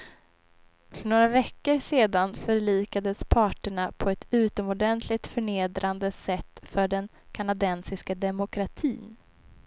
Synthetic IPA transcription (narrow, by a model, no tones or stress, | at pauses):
fœɳoːɾavɛkːəɾseːd̪anfœɾɭiːkad̪əspʰɑːʈəɳapʰɔɛt̪ʉ̟ːt̪ɔmɔɖɛnt̪ʰlɪt̪fœɳeːd̪ɾʔand̪əsɛt̪ːfœɖɛn | kʰanad̪ɛnsɪskad̪ɛmʊkʰɾat̪ʰḭːn